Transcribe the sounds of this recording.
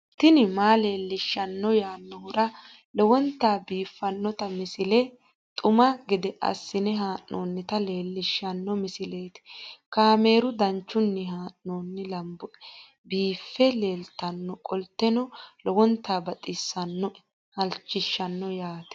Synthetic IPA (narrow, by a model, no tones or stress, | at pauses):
t̪ɪnɪmaːle̞ːlːɪʃːɐnːɔjaːnːɔhʊɾɐ | lɔwɔnt̪ːaːbiːfːɐnːɔt̪ɐmɪsɪlɛ | t̪ʼʊmɐɡɪd̪ɛʔɐ̰sːɪnɛɦaːnːoːnːɪt̪ɐle̞ːlːɪʃːɐnːɔmɪsɪle̞ːt̪ɪ̥kaːme̞ːɾʊd̪ɐnt͡ʃːʊnːɪɦaːʔoːnːɪlɐmbɔ | biːfːɛle̞ːlt̪ːɐnːɔkʼɔlt̪ːɛnɔlɔwɔnt̪ːaːbɐt̪ʼɪsːɐnːɔ | hɐlt͡ʃːɪʃːɐnːɔjaːt̪ɛ̥